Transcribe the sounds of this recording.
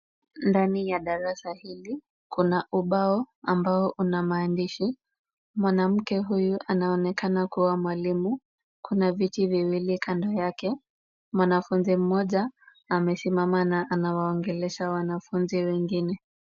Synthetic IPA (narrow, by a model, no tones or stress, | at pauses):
ndanijaɗaɾasahili | kunaʔuɓaɔambaɔʔunamaːndiʃi | mwanam̩kɛɦujuʔanaɔnɛkanakuwamwalimu | kunavitiviwilikʰandɔjakɛ | mwanafunzim̩mɔʄaː | mɛsimamanaʔanawaɔŋɡɛlɛʃawanafunziwɛŋɡinɛ